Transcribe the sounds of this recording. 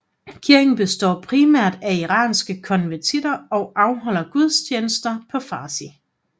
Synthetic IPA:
kʰiɐɡ̥n̩b̥e̝sd̥ɒ̰ːpʰʁimæɐ̰d̥æiʁɑ̰̈ːnsɡ̥əkʰɒ̽nʋæɐt͡sʰid̥ɐɒ̽ʊʔɑ̈ʊɦɒ̽l̰ɐɡ̥uð̞ˠst͡ɕʰjeːnəsd̥ɐpʰɒ̽fɑ̈ːsi

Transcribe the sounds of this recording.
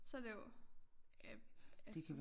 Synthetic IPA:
sɒd̥ejo | d̥ekʰæʋ

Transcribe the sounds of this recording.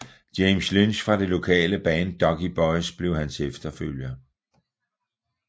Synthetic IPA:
d̥eɪmslynɕfʁɑ̈d̥e̝lo̝kʰɛ̰ːləb̥ɛːnd̥ɒ̽ɡ̥ib̥ɒɪsb̥le̝ʊhænsefd̥ɐføl̰jɐ

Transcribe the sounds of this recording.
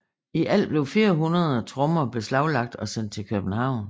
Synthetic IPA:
iʔæl̰b̥le̝ʊfiːɐɦunɐð̞ˠɐt͡sʰʁɔmɐb̥e̝slɑ̈ʊlɑ̈ɡ̥̚d̥ɒ̽sen̰d̥̚t͡sʰe̝lkʰøb̥n̩hɑ̈ʊ̰n

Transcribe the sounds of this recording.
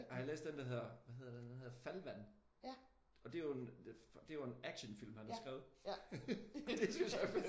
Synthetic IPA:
hlḛːsd̥end̥ɐɦeð̰ˠɐʋæhɦe̝ð̰ˠɐdeenhe̝ðˠfælʋæn̰ | ɒ̽d̥e̝joend̥e̝ʋɑe̝næɡ̥ɕənfil̰mhænhɑsɡ̥ʁɛ̰ːʊð̩ˠ | d̥esɡ̥æsɒf

